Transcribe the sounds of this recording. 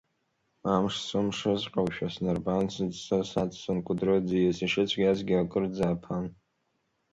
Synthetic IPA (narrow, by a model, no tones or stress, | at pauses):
amʂsɨmʂɨzqʼawʃᶣasnarbansɨd͡zsasat͡sʼsɨnkʷʼʊdrɨd͡zejesiʃɪt͡ɕʷʰɡʲazɡʲiakʼɨrd͡zaːpʰan